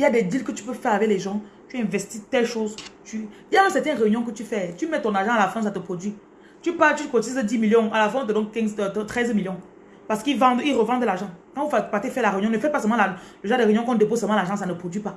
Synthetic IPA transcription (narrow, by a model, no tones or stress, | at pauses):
iljad̪ɛd̪ilkət̪y̥pøfɛʁavɛklɛʒɑ̃t̪ɛ̃vɛst̪it̪ɛlʃozt̪ydiãsɛt̪ɛnʁeynjɔ̃kət̪yfɛt̪ymɛt̪ɔ̃naʁʒɑ̃alafɛ̃sat̪əpχod̪ɥi | t̪ypat̪yt̪kot̪izd̪imiljɔ̃alafɛ̃ɔ̃t̪ədɔ̃nkɛ̃ŋt̪χɛzmiljɔ̃ | paʁsə̥kilvɑ̃d̪iʁəvɑ̃d̪əlaʁʒɑ̃kãvufpat̪efɛlaʁeynjɔ̃nəfɛt̪̚pasɛlmɑ̃laləʒɑ̃ʁd̪eʁeynjɔ̃kɔ̃d̪epozsɛlmɑ̃laʁʒɑ̃s̬anəpχod̪ɥipa